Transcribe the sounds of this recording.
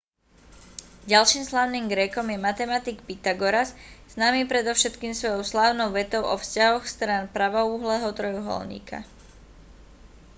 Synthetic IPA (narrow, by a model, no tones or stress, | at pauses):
ɟalʃiːmslaːʊniːmɡɾɛkɔmjɛmat̪ɛmat̪iɡpit̪aɡɔɾasz̥naːmipɾɛd̪ɔʊʃɛt̪kiːmsʋɔjɔʊslaːʊnɔʊʋɛt̪ɔʊʔɔfscaɦɔxst̪ɾaːnpɾaʋɔuːɦlɛːɦɔt̪ɾɔjuɦɔ̰lɲḭːkʰa̰